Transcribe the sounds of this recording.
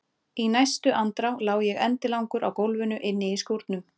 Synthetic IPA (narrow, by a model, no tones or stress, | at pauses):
inajst̪ʏʔant̪ɾawlaːwjɛɣɛ̰nt̪ɪlawŋkʏɾawkowlvʏnʏʔɪnːɪiskoɾt̪nʏm